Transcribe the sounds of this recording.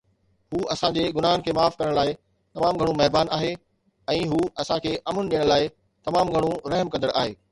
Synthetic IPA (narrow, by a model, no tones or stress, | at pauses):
huːʔɐsãd͡ʑeɡʊnaːɦʊnkʰeːmaːfkɐɾəɽ̃laːɪ | t̪ɐmaːmɡʱɐɽ̃ũmɐɦbaːnaːɦe | ɛ̃ːɦuːɐsãkʰeːʔɐmənɗiːəɽ̃laːɪ | t̪ɐmaːmɡʱɐɽ̃ũɾɐɦmkɐ̃nd̪əɽʔaːɦeː